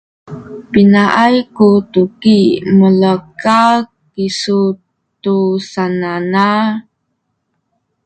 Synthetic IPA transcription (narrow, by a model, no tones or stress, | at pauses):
pinaʔajkutukimələkakː | isu | tusanana